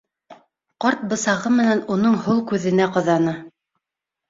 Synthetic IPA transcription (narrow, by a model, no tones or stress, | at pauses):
qɑɾt̪̚bɤ̆sɑʁɤmɘ̆nænunɤɴhulˠkʉðɘ̆næqɤ̆ðɑnɤ